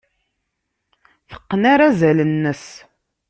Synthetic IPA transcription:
θə̥qːnaɾazælənːəs

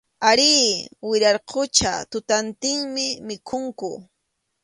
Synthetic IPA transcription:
aɾiːwɪɾɑɾqʰʊt͡ʃa̰t̪ʊt̪ant̪ɪŋmɪmɪkʰʊŋkʊ

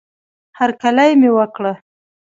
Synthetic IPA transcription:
haɾkalajmewəkɽa

